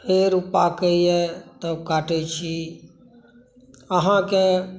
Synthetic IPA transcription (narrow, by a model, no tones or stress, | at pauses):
pʰeɾʊpakəiɛt̪okaːʈet͡ʃʰi | əɦãke